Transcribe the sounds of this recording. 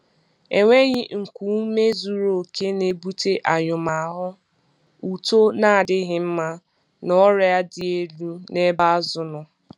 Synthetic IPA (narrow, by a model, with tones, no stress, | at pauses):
e˨ŋʷe˦ɣɪ˦ŋ̩˨kʷu˦me˦zu˦ɾo˨kʰe˦ne˦bu˦te˦ʔa˨ɲʊ˨ma˨a˨ɦʊ˦ | u˨to˦na˦a˨dɪ˦ɣɪ˦m̩˦ma˦ | nɔ˦ɾa˦dɪ˨e˦lu˦ne˦ba˦zʊ˨nʊ˨